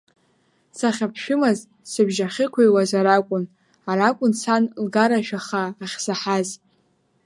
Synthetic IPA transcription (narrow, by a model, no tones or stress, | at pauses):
saχʲapʰʃᶣʊmaz | sɨbʒaχʲɪkʷʰajwazaɾakʷʼʊn | aɾakʷʼʊnsʰanlɡaɾaʃᶣaχaːχʲsaħaz